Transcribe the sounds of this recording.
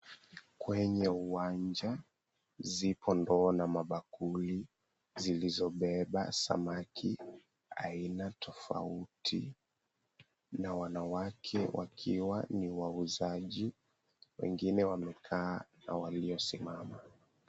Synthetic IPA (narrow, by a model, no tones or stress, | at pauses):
kwɛɲɛuwaɲd͡ʒa | zipɔndɔːnamaɓakuli | zilizɔɓɛɓa̰sa̰makʰi | a̰inatʰɔfa̰utʰḭ | nawanawakʰɛwʔa̰kʰiwaniwauzaʄi | wɛ̰ŋɡinɛwamɛkʰaːna̰waliɔsimama